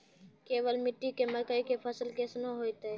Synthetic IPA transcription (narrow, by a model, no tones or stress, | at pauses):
keːʋəlmɪʈːikeməkəikepʰəsəlkesnoɦoːjt̪eɛ